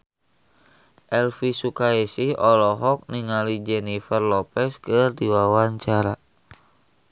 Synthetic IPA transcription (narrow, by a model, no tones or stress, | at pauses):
ʔɛlfisukaɛsiɔlɔɦɔk̚niŋalid͡ʒɛnifərlɔpɛskɨrdiwawaɲt͡ʃaɾa